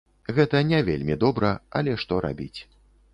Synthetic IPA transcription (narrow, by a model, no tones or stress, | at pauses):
ɣɛt̪ɐnʲɛvʲḛlʲmʲid̪ɔbɾɐɐ̰lʲɛʂt̪ɔɾa̰bʲit͡sʲ